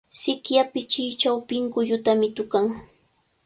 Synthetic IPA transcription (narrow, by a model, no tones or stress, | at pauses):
sɪkjapɪt͡ʃɪːt͡ʃawpɪŋkʊʎʊt̪amɪt̪ʊkaŋ